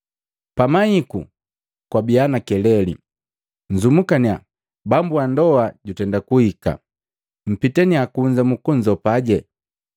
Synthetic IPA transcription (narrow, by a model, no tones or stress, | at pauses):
pamahikṵ | kwabianakɛlɛlḭ | ɲ̩zumukania̰ | bambuandɔaɟutɛndakuhika̰ | m̩pitɛniakuɲd͡ʒamukɔɲzɔpaɟɛ